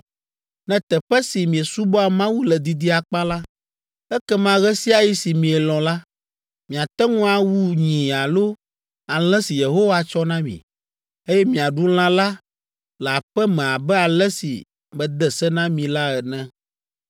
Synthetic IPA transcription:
nɛ̃˦t̪ɛ˨ɸɛ˦si˨mĩ˨ɛ˨su˦bɔ˦a˨mã˦wu˦lɛ˨d̪i˨d̪i˦a˨k͡pa˦la˦ | ɛ˦kɛ˦mã˦ɣɛ˦si˦a˨ji˦si˨mĩ˨ɛ˨lɔ̃˨la˦ | mĩ˨a˨t̪ɛ˦ŋũ˦a˨wu˦ɲĩ˨a˨lo˦ | a˨l̃ɛ̃˦si˨je˨ɦo˦wa˦t͡ʃɔ˦nã˦mḭ̃˨ | e˦jɛ˦mĩ˨a˨ɖu˦l̃ã˦la˦ | lɛ˨a˨ɸɛ˦mɛ̃˨a˨bɛ˦a˨lɛ˦sḭ˨ | mɛ̃˨d̪ɛ˨sɛ˦nã˦mĩ˨la˦ɛ˨nɛ̃˦

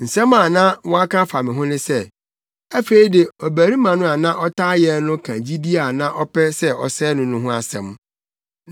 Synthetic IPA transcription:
n̩˨sɛ̃˦mã˨nã˦wɔ̃˦a˦kʰã˦fa˨mɪ̃˨ɦʊ̃˦nʊ̃˦sɛ˦˨ | æ˦fe˨i˦de˨ɔ˨bæ˨ɾi˦mã˨nʊ̃˦a˨nã˦ʔɔ˦tʰa˦jɛ˨nʊ̃˦kʰã˨d͡ʑi˦di˦a˨nã˦ʔɔ˦pʰɛ˦sɛ˦ʔɔ˨sɛː˦nʊ̃˨nʊ̃˦ɦʊ̃˦a˨sɛ̰̃˨m˦

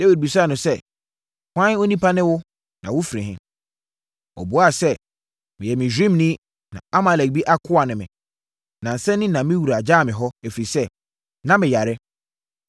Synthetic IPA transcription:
d̥ɛ˦wi˨d̚bi˨sa˦˨nʊ̃˨sɛ˦˨ | kʷã˦n˦o˦nĩ˦pʰa˦nɪ̃˦wʊ˦ | nã˨wʊ˦fi˨ɾĩ˨ɦɪ̰̃˦ | ɔ̰˨bʊ˨˦a˦˨sɛ˦ | mɪ̃˨jɛ˨mɪ̃˨d͡ʑᶣĩ˦mnĩ˦ | nã̰˨a˦ma˨lɛ˨k̚bi˦ʔa˦kʰʊ˦a˨nɪ̃˨mɪ̃˨ | nã˨n̩˨sɛ̃˦nɪ̃˦nã˨mɪ̃˦wu˨ɾa˨d͡ʑaː˦˨mɪ̃˨ɦɔ˦æ˨fi˨i˨sɛ˦ | nã˦mɪ̃˨ja˨ɾɪ˦

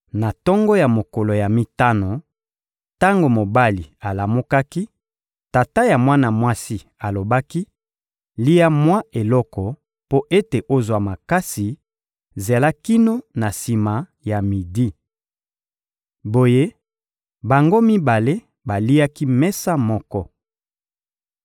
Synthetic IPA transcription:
na˨tɔ˦ŋɡɔ˦ja˨mo˨kɔ˨lo˨ja˨mi˨ta˦no˨ | ta˦ŋɡo˨mo˨ba˦li˨a˨la˨mu˦ka˦ki˦ | ta˨ta˦ja˨mwa˦na˨mwa˦si˦ | a˨lo˨ba˦ki˦ | li˦ja˦mwa˦e˨lɔ˦kɔ˨ | po˦ʔe˦te˨ʔo˦zwa˨ma˨ka˦si˨ | ze˨la˦ki˦no˦na˨si˨ma˨ | ja˨mi˨di˦ | bo˨je˦ | ba˨ŋɡo˦mi˦ba˨le˦ | ba˨li˦ja˦ki˦mɛ˦sa˦mɔ˦kɔ˦

